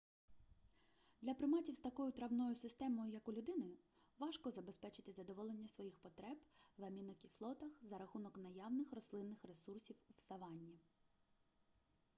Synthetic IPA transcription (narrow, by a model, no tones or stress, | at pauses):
d̪lʲɐpɾɪmɑtʲiwst̪ɐkɔjʊt̪ɾɐwnɔjʊsɪst̪ɛmɔjʊjɐkʊlʲʊd̪ɪnɪ | ʋɑʃkɔzɐbe̞spɛt͡ʃɪt̪ɪzɐd̪ɔʋɔlˠe̞nʲːɐsʋɔjixpɔt̪ɾɛbʋɐmʲinɔkʲislˠɔt̪ɐxzɐɾɐxunɔknɐjɑwnɪxɾɔslˠɪnːɪxɾe̞sursʲiwuwsɐʋɑnʲːi